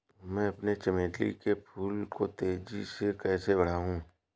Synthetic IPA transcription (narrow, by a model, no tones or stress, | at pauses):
mɛ̃ɐpnet͡ʃɐmeːʈlḭkepʰuːlkot̪eːd͡ʒisekɛːsebɐɽ̤aːɦũː